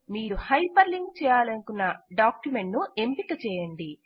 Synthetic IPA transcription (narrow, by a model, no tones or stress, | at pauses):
miːɾuhɐjpɐɾliŋɡt͡ʃɛːjaːlɐnukunːɐɖaːkjume̞ɳʈnue̞mpikɐt͡ʃɛːjɐɳɖi